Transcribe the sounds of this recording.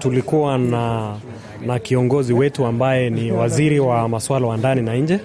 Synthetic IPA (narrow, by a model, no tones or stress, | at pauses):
tulikuwana | nakiɔŋɡɔziwɛtuambajɛniwaziɾiwamaswalawandaninaɲd͡ʒɛ